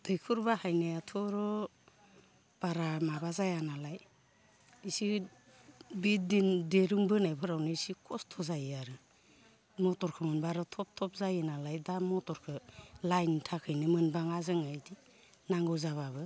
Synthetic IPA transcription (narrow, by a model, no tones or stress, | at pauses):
tʰɯjkʰuɾbahajnajatʰɔɾɔ | b̥aɾamabazajanalaj | isi | bit̚dindeɾuŋbɯnajpʰɯɾawnɯisikʰɔstʰɔzajaɾɯ | mɔtɔɾkʰɯmɯnbaɾɯtʰɔp̚tʰɔp̚zajɯnalajdamɔtɔɾkʰɯlajntʰakʰɯjnɯmɯnbaŋazɯŋajdi | naŋɡɯzaβabɯ